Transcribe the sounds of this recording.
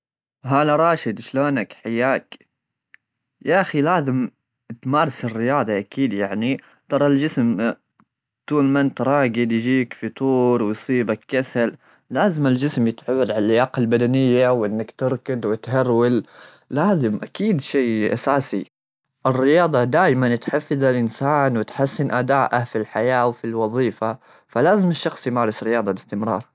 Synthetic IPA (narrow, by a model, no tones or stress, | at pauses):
ɦaːlaɾˤɑːʃɪd̪ʃloːnakħajːaːk | jaʔaxilaːzɪm | t̪mɑːɾˤsɪrːɪjɑːd̪ˤɑʔakʰiːd̪jaʕni | t̪ˤɑɾˤɑld͡ʒɪsm | t̪uːlmant̪ɾˤɑːɡɪd̪jd͡ʒiːkfit̪ˤuːɾˤwɪjsˤiːbakːasal | laːzɪmɪld͡ʒɪsmjɪt̪ʕawːad̪ʕallːʔːɪjaːqalbad̪anɪjːawʔɪnːakt̪ɪɾkad̪wɪt̪haɾwal | laːzɪmʔakiːd̪ʃeːʔasaːsḭ | ʔɪrːɪjɑːd̪ˤɑd̪aːjmanɪt̪ħafːɪðalʔɪnsaːnwɪt̪ħasːɪnʔad̪aːʔafilħajaːwfilwɑðˤiːfa | falaːzɪmɪʃːɑxsˤjmaːɾˤɪsɾɪjɑːd̪ˤɑbɪst̪ɪmɾˤɑ̰ːɾˤ